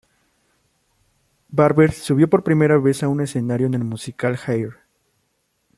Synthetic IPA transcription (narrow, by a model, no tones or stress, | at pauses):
baɾβeɾsuβjo̞po̞ɾpɾime̞ɾaβe̞saune̞se̞naɾjo̞ene̞lmusikalxajɾ